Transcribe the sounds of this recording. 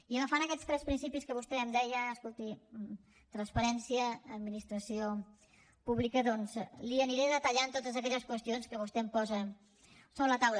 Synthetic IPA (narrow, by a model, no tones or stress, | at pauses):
iəmfanəkɛt͡sst̪ɾɛspɾinsipiskəβust̪ɛəmd̪ɛjəːskulˠt̪i | t̪ɾənspəɾɛnsiəːd̪̚minist̪ɾəsio | puβlikəðɔnzliəniɾɛðət̪əʎant̪ot̪əzəkɛʎəskwəst̪ionskəβust̪ɛmpɔzə | soβɾələt̪awlə